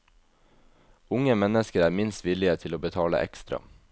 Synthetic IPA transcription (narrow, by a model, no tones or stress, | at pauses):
ʊŋəmɛnəskəɾæːɾmɪnst̪ʋɪlɪət̪ʰɪloːbət̪ʰɑːlə̰ʔɛ̰kst̪ɾɑ̰